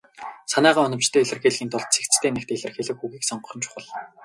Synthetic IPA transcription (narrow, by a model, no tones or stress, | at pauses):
sanæːʁaːɔnɞ̆mt͡ɕt̪ʰeːeɮɘ̆rxeːɮɣiːnt̪ʰʊɮt̪̚t͡sʰekt͡st̪ʰeːnek̚t̪eɮɘ̆rxeːɮɘ̆kxuɣiːksɔɴɢɞ̆χɞ̆nt͡ɕʰʊ̥χə̆ɮ